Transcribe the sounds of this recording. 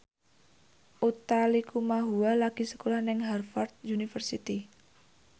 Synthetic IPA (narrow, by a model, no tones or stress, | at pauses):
ʔut̪alikʰumaɦualaɡ̥i̤səkolahnɪŋɦɛrfart̪̚junifərsit̪i